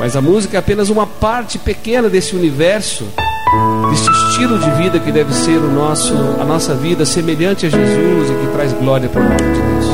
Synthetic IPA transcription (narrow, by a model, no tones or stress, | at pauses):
mɐjzɐmuzikɐɛapẽnɐzũmɐpaɾt͡ʃɪpekẽnɐd̪esɪunivɛɾsʊ̰ | d̪est͡ʃɪst͡ʃilʊd͡ʒɪvid̪ɐkɪd̪ɛvɪseɾʊnɔsʊɐ̰nɔsɐvid̪ɐsemeʎɐ̃nt͡ʃɪɐʒezuzɪkɪt̪ɾajzɡlɔɾiɐpɾkõt̪ɐd͡ʒɪd̪ews